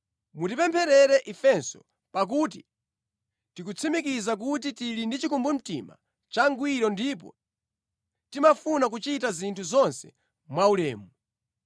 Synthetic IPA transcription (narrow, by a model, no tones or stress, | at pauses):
mutipɛmpʰɛɾɛɾɛʔifɛnsɔ̰ | pak̬ut̬i | tikut͡sʰimik̬izak̬ut̬itilindit͡ʃikumbum̩tḭma̰ | t͡ʃaŋɡwiɾɔndip̬ɔ̰ | timafunak̬ut͡ʃitazintʰuzɔnsɛ̥̰ | mwaulɛːmuu